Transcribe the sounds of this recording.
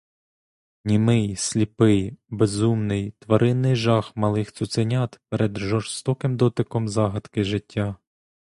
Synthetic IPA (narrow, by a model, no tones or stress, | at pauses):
nʲimɪjsʲlʲipɪjbezumnɪjt̪ʋɐɾʔɪnːɪjʒɑxmɐlˠɪxt̪sʊt̪sɪnʲɑt̪pɛɾʔɛd̪ʒɔrst̪ɔkɪmd̪ɔt̪ɪkɔmzɑɦɐd̪kɪʒɪtʲːa